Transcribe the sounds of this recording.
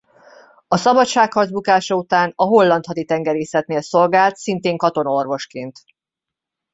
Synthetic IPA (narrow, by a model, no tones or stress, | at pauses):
ɒsɒbɒt̪ʃaːkhɒzbukaːʃɒut̪aːnɒɦo̞lːɒnt̪hɒt̪it̪ɛŋɡɛɾeːsɛt̪neːlso̞lɡaːlt̪sint̪eːŋkɒt̪o̞no̞rvo̞ʃkeːnt̪